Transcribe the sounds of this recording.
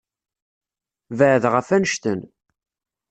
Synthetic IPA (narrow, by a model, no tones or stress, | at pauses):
vəʕðʁəfænəʃt̪ə̰n